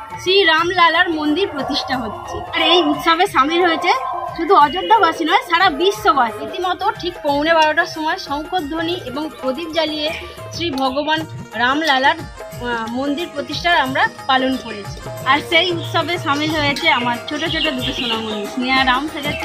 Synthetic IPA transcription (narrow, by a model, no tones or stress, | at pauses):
sɾiɾamlalaɾmond̪iɾpɾot̪iʃʈʰaɦotːt͡ɕʰeaɾejut̪ʃobeʃamilɦojet͡ɕʰeʃud̪ʱuɔd͡ʑod̪ʱːabasinɔeʃaɽabiʃːobaɾit̪imɔt̪oʈʰikpownebaɽoʈaʃɔmɔeʃɔŋkʰod̪̚d̪ʱoniʔeboŋod̪ip̚d͡ʑalije | sɾibʱɔɡobanɾamlalaɾ | mond̪iɾpɾot̪iʃʈʰaɾamɾapalonkoɾet͡ɕʰi̥aɾsejut̪ʃobeʃamilɦojet͡ɕʰeamaɾt͡ɕʰoʈot͡ɕʰoʈ̬od̪uʈoʃonamonʃniaɾamʃed̪e